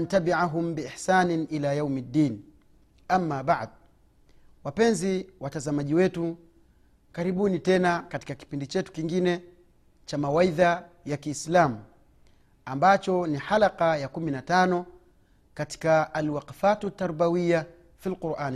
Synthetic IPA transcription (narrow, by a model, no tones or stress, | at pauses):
ntabiʕaɦumbiiħsaːniʔilajawmadːiːn | ʔamːaːɓaʕd | wapɛnziwatazamaʄiwɛtu | kaɾiɓunitɛnakati̥kaki̥pindit͡ʃɛtu̥kiŋɡinɛ | t͡ʃamawaiða | jakiːslamu | ambat͡ʃɔniħalaqajakuminatanɔ | kati̥kaːlwaqafatut̪ːaɾbawija | filquɾʔaːn